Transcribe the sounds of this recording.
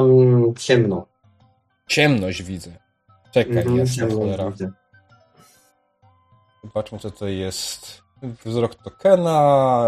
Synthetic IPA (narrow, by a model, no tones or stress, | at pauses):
t͡ɕɛmnɔ | t͡ɕɛmnɔʑd͡ʑvʲid̪zɛ | t͡ʂɛkajɛɛmɔnɛɾazɛ | ɔbat͡ʂmɘt͡sɛt̪ɔjɛst̪ | vzɾɔkt̪ɔkɛna